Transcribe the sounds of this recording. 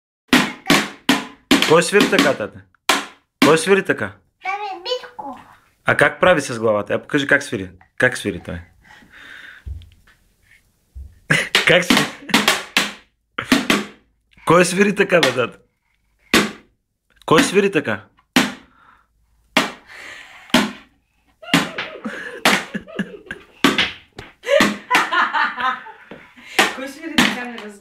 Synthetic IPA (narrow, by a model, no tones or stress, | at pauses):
kɔjsvʲiɾit̪ɐkat̪at̪ə | kɔjsviɾit̪ɐka | miko | akak̚pɾavisɐzɡlˠavat̪ɐapo̥kaʒikaksvʲiɾi | kaksviɾit̪o̰j | kaksvi | kɔjɛsviɾit̪ɐkabɐd̪at̪ | kɔjsviɾit̪ɐka | kɔjsviɾit̪ɐkan